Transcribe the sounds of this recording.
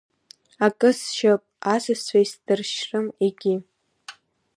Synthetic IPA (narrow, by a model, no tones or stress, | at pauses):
akʼɨsʃapʼasɨsʷajsdɨrʃrɨmeɡʲɪ